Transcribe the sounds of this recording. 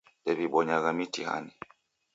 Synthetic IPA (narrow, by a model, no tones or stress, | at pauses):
dɛβiɓɔɲaɣamitiha̰ni